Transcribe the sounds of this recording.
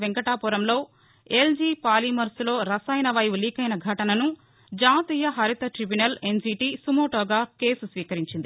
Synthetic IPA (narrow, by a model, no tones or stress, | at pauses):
ʋeŋkɐʈaːpuːɾɐmlo̞ː | eld͡ʒiːpaːlimɐɾslo̞ːɾɐsɐjnɐʋɐjʋuliːkɐjnɐɡʱɐʈɐnɐnu | d͡ʒaːt̪iːjɐɦɐɾit̪ɐʈɾibunɐlensiːʈiːsumoːʈoːɡaːke̞ːsusʋiːkɐɾiɲt͡ʃind̪i